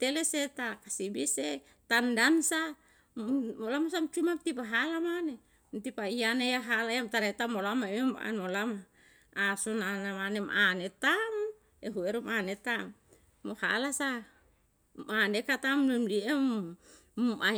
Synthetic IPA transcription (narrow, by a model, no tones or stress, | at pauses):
t̪eleset̪akasibise | t̪andansa | mmolamasamt͡ʃumamt̪ipaɦalamane | mt̪ipaianejaɦalajamt̪aɾait̪amolamamema̰nmolamaː | sonanamanemanet̪am | eɦueɾumanet̪amː | oha̰lasa | manekat̪amlimliem | ʔa